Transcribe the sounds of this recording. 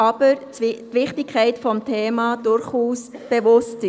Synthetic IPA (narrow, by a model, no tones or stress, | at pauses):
ɑb̥əɾ | tʋɪχtɪkʰːɛɪtfɔmtʰeːmɑːd̥ʊɾχuːsb̥eʋʊsti